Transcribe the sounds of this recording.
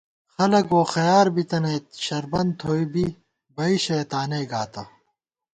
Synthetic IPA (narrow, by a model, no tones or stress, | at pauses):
xɐlɐkoːxɐjaːɾbit̪ɐneːt̪ɕɐɾbɐnd̪̚t̪ʰoːibi | bɐiɕɐːt̪aːneːɡaːt̪ɐ